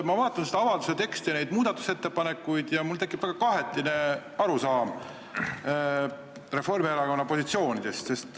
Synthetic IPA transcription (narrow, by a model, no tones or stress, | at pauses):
mɑvɑːt̪ːˑɑnsed̪ɑɑvɑld̪use̞t̪e̞kst̪ijɑne̞jd̪muːd̪̥ɑt̪ːˑu̥se̞t̪ːe̞pɑne̞kːˑujd̪jɑmult̪e̞kːˑipvæɡ̥ɑkɑɦe̞t̪ˑːine̞ɑɾusɑːm | re̞fo̞rmieɾɑko̞nːɑpo̞sit̪sio̞ːnid̪̥e̞st̪se̞st̪